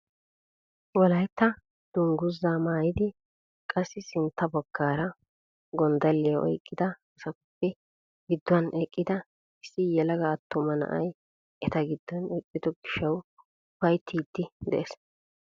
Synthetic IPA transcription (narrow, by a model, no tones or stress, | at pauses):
wɔlɐjt̪ːɐ | d̪̥ʊŋɡʊzːaːmaːjɪd̪ɪ | kʼɐsːɪsɪnt̪ːɐbɔɡːaːɾɐ | ɡɔnd̪ɐlːɛjɐʔɔ̰jkʼːɪd̪ɐɐsɐkʊpːɛ | ɡɪd̪ːʊɐnɛkʼːɪd̪ɐ | ɪsːɪjɛlɐɡaːt̪ːʊmɐnɐ̰ʔɐ̰j | ʔɛt̪ɐɡɪd̪ːɔnɛkʼːɪd̪ɔɡɪʃːɐw | bɐjt̪ʰːiːd̪ːɪd̪ɛ̰ʔɛs